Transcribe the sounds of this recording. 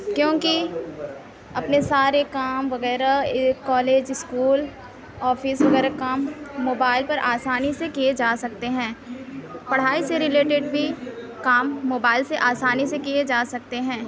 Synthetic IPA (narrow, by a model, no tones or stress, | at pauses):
kjõːki | ɐpnesaːɾekaːmʋɐɣɛːɾakɔːleːd͡ʒɪskuːl | ɔːfɪsʋɐɣɛːɾakaːmːoːbaːɪlpɐɾʔaːsaːnisekijed͡ʒaːsɐk̚t̪eɦɛ̃ː | pɐɽ̤aːiseɾɪleːʈeɖbʱi | kaːmːoːbaːɪlseʔaːsaːnisekijed͡ʒaːsɐk̚t̪eɦɛ̃ː